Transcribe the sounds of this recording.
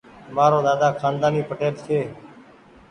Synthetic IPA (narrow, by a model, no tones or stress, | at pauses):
maːɾoːd̪aːd̪aːkʰaːnd̪aːniːpəʈeːlt̪ʰeː